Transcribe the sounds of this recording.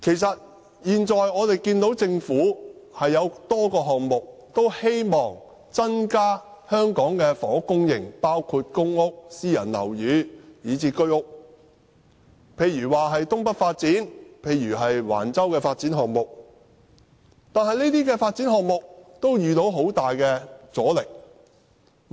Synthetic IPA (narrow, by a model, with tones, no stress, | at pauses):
kʰe˨˩jsɐ˨t̚ | jiː˨nt͡ʃɔː˨jɔː˨˧t̪e˨jkiː˧nt̪o˨˧˥wt͡sɪ˧ŋfuː˨˥hɐ˨jːɐ˨˧wt̪ɔː˥kɔː˧ɦɔː˨k̚mʊ˨k̚t̪o˥whe˥jmɔː˨ŋ | t͡sɐ˥nkaː˥ | hœː˥ŋkɔː˨˥ŋkɛː˧fɔː˨˥kʊ˥ŋjɪ̰˨˩ŋpaː˥wkʰuː˧t̚kʊ˥ŋʊ˥k̚siː˥jɐ̰˨˩nlɐ̰˨˩wjyː˨˧jiː˨˧t͡siː˧kɵ˥ɥʊ˥k̚ | pʰe˧jɥyː˨˩waː˨˩ɦɐ˨jt̪ʊ˥ŋpɐ˥t̚faː˧t̚t͡siː˨˥npʰe˨˧jːyː˨˩ɦɐ˨jwa̰ː˨˩nt͡sɐ˥wkɛː˧faː˧t̚t͡siː˨˥nɦɔː˨k̚mʊ˨k̚ | t̪aː˨˧nhɐ˨jneː˥t̪iː˥kɛː˧faː˧t̚t͡siː˨˥nɦɔː˨k̚mʊ˨k̚t̪o˥wjyː˨t̪o˨˥wɦo˨˥wt̪aː˨jkɛː˧t͡sɔː˨˥lɪ˨k̚